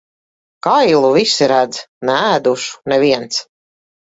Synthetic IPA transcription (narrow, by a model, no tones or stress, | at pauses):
kajlˠuvisiɾæd̪znɛæːd̪uʃu̥nɛviɛnt̪s